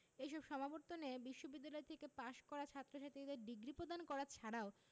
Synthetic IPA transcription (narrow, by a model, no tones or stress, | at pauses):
ejʃɔbʃɔmaboɾt̪onebiʃːobid̪ːalɔet̪ʰekepaʃkɔɾat͡ɕʰat̪ːɾoʃat̪id̪eɾɖiɡɾipɾod̪ankɔɾat͡ɕʰaɽao